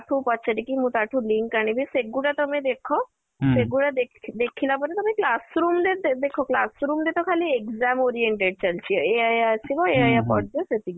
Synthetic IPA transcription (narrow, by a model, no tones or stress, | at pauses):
aʈʰupɔt̪ːt͡ʃʰaʈikimũt̪aʈʰũliŋkːaɽ̃ibʱiseɡuɽat̪ɔmẽd̪ekʰɔ | seɡuɽad̪ed̪ekʰilapɔɾet̪ɔmeklasɾumd̪ed̪ekʰɔklasɾumd̪et̪ɔkʰaliekzamoɾieɳʈeɖ̚t͡ɕəlt͡ʃʰiɔeajasibɔeajapɔʈ̚d̪eset̪i